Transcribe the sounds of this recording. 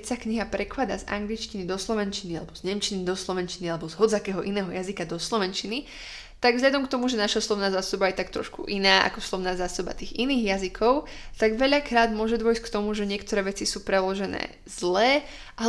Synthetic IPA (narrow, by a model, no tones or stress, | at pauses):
csakɲiɦapɾɛklad̪a̰za̰ŋɡlit͡ʃcinid̪ɔslɔʋɛnt͡ʃinialɛbɔzɲɛmt͡ʃinid̪ɔslɔʋɛnt͡ʃinialɛbɔzɦɔd͡zzakɛːɦɔʔinɛːɦɔjazikad̪ɔslɔʋɛnt͡ʃini | t̪aɡvzɦʎad̪ɔmk̚t̪ɔmuʒɛnaʃaslɔʋnaːzaːsɔbajɛt̪akt̪ɾɔ̰ʃkṵʔinaːʔa̰kɔslˠɔʋnaːzaːsɔba̰t̪iːɣiniːɣjazikʰɔʊt̪aɡʋɛʎakɾaːd̪mʊɔʒɛd̪ʋɔjsckt̪ɔmuʒɛɲɪɛkt̪ɔɾɛːʋɛt͡sisuːpɾɛlɔʒɛnɛ̰ː | zlɛː | ʔa